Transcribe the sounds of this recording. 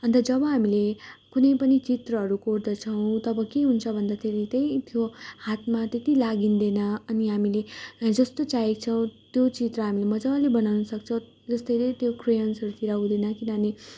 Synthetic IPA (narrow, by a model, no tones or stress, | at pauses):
ɦʌnd̪ʌd͡zʌbʌɦamilekunʌjpʌnit͡sit̪rʌɦʌɾukord̪ʌt͡sʰʌw̃t̪ʌbʌkeɦunt͡sʰʌbʱʌnd̪at̪ʰeɾit̪ʌjt̪ʰjohat̪mat̪et̪ilaɡind̪enʌʌniɦamiled͡zʌst̪ot͡saɦekt͡sʰʌw̃t̪jot͡sit̪rʌɦamilemʌd͡zʌlebʌnawnʌsʌkt͡sʰʌw | d͡zʌst̪ʌjlet̪jokrejʌnsʌɾut̪iɾaud̪enʌkinʌne